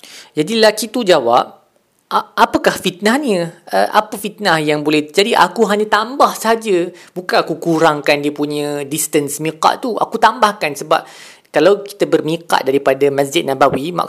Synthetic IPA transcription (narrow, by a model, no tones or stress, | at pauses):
d͡ʒadilakit̪ud͡ʒawap̚ | ʔʔapəkahfit̪̚nahniəʔa̰pəfit̪̚nahjaŋbolɛhd͡ʒadiʔa̰kuɦaɲãt̪ambahsəɦad͡ʒəbukanakukuɾaŋkandiəpuɲə̃dist̪ənsmĩqa̰ʔt̪ua̰kut̪ambahkansəba̰p̚ | kalawki̥t̪abərmĩka̰ʔ̪̚daɾipadamãsd͡ʒɪt̪̚nãbawima̰